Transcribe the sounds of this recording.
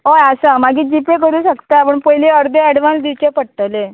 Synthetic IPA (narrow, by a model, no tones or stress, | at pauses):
oasamaɡiːd͡ʑipek̬əɾũːɕəkt̪aapəɳpəjliəɾd̪ʱeɛɽʋãnsd̪it͡ɕepəɽt̪əle